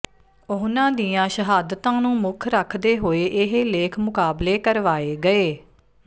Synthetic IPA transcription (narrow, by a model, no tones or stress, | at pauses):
ʊɦnãːd̪iːãːʃəɦaːd̪t̪ãːnũːmʊkʰɾəkʰd̪eːɦoːeːʔɪɦeleːkʰmʊkaːbleːkəɾʋaːeːɡəeː